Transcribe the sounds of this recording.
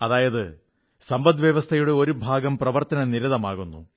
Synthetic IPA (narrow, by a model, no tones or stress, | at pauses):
ɐðaːjɐðɨ | sɐmbɐd̪ʋjɐʋɐst̪ʰɐjuɽe̞o̞ɾubʱaːɡɐmprɐʋɐrt̪ɐnɐniɾɐðɐmaːɣunːṵ